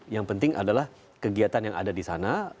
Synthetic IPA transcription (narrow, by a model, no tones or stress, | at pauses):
jaŋpənt̪ɪŋʔa̰dalah | kəɡiat̪anjaŋʔa̰dadisana